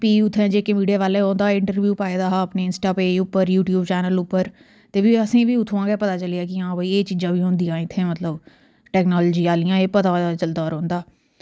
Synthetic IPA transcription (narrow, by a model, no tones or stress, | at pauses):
piːʊt̪ʰːɛ̃ːd͡ʒeːkemiːɖiaːʋaːlẽːɦõːnd̪aːɪ̃ɳʈəɾʋjuːpaːeːd̪aːɦəpneːɪnsʈaːpeːʊpːəɾjuːʈjuːbt͡ʃɛːnəlʊpːəɾ | t̪eːbiːəsĩːbiːʊt̪ʰːãːɡɛːpət̪aːt͡ʃəleaːkɪãːbəiːeːt͡ʃiːd͡ʒãːbiːɦʊ̃ːnd̪ijãːɪt̪ʰːeːmət̪ləb | ʈɛːknɔːlːd͡ʒiːaːlɪjãːeːpət̪aːt͡ʃəld̪aɔːɾɦõːnd̪aː